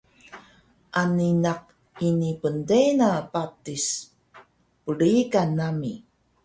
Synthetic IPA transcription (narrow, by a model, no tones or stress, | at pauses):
ʔaninaq̚ | inipəndenapatis | pəɭikanːami